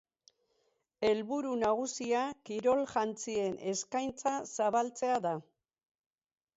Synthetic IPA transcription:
e̞lβuɾunaɣ̞usiakiɾo̞lʝant͡sie̞nʔe̞skajnt͡sasaβalt͡se̞aða

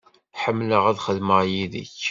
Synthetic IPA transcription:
ħəmːləʁæðχəlːməʁjiðḭç

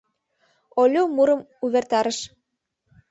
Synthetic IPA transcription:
olʲumuɾɤ̆m | uβert̪ɑɾə̆ʃ

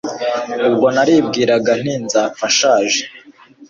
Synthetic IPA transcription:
ubɡo̞naɾiːb̚ɡiːɾaɡan̥inzaːfaʃaːʒe

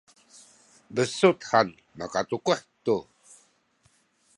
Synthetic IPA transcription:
bəsut̪han | makat̪ukuħt̪u

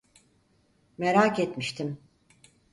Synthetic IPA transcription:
meɾaːket̪miʃt̪ʰim

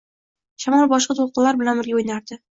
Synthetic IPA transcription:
ɕɒmɑlˠbɒʃqɤt̪ulˠqɤ̆llːˠɑɾbɘ̆lænbɘɾɡʲæujnɑɾd̪ɤ

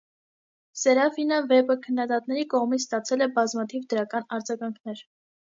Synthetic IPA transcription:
sɛɾɑfinəvɛpəkʰənːɑd̪ɑt̪̚nɛɾikɔʁmit͡sʰst̪ɑt͡sʰɛlɛbɑzmɑt̪ʰivd̪əɾɑkɑnɑɾd͡zɑɡɑŋkʰnɛɾ

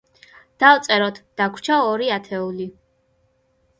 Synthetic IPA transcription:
d̪̥avt̪sʼɛɾɔt̪ʰd̪̥akʷʰt͡ʃʰaɔɾiat̪ʰɛuli

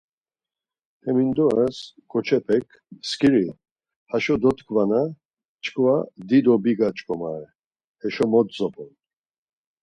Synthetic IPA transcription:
hɛmind̪ɔasɡ̥ɔt͡ʃʰɛpʰɛkʰ | skʼiɾi | haʃɔd̪ɔt̪kʰvana | t͡ʃʰʼkʼvad̪id̪ɔbiɡat͡ʃʼkʼɔmaɾɛ | hɛʃɔmɔt̪zɔpʰʼɔn

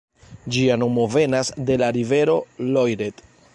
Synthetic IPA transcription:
d͡ʒiano̞mo̞ve̞nasde̞laɾive̞ɾo̞lo̞jɾe̞t

